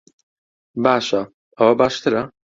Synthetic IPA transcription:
baːʃa | ɐwɐbaːʃt̪ʰɨɾa

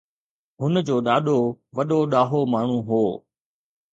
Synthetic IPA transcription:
ɦʊnəd͡ʑoːɗaːɗoʋɐɗoɗaːɦomaːɳ̤ũɦoː

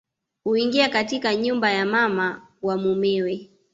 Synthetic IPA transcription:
huiŋɡiakatikaɲumbajamama | wamumɛwɛ

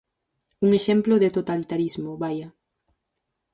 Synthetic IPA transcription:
uŋeʃɛmploðet̪ot̪alit̪aɾizmoβaja

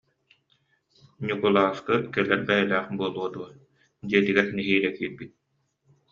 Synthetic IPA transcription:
ɲukulˠaːskɯkɛlɛɾbɛjɛlæːχbuɔlˠuɔd̪uɐ | d̪iɛt̪iɡɛɾniɦiːlɛkiːɾbit̪̚

